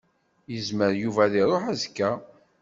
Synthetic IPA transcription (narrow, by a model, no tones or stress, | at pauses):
jəzməɾjuvæðiɾˤoħæzkːæ